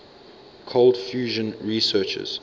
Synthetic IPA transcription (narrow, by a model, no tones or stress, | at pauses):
kʰold̥fjuːʒə̃nɹisɜˑt͡ʃə̰z̥